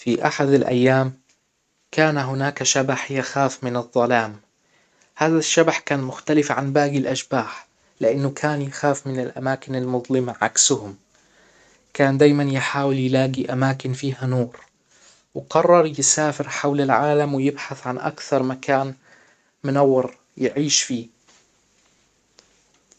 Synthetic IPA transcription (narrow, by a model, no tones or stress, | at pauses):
fiʔaħad̪alʔa̰jːaːm | kaːnaɦʊnaːkaʃabaħjaxaːfmɪnɨðˤːɑlaːm | haːðaʃːabaħkaːnmʊxt̪alɪfʕanbaːɡɪlʔaʃbaːħ | lɪʔanːʊkʰaːnjaxaːfmɪnɪlʔa̰maːkɪnalmʊðˤlɪmaʕa̰ksʊhʊm | kaːnd̪aːjmanjɪħaːwɪljɪlaːɡiʔamaːkɪnfiːɦanoːɾ | wqɑrˤːɑɾˤjɪsaːfɪɾħawlalʕaːlamwɪjɪbħaθʕanʔa̰kθɑɾˤmakaːn | mʊnawːɪɾ | jɪʕiːʃfiː